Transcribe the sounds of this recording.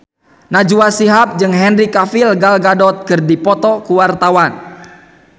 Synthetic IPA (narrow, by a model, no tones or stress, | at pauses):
nad͡ʒuasiɦap̚d͡ʒɨŋɦɛnrikafilɡalɡadɔt̪̚kɨrdipɔt̪ɔkuwart̪awan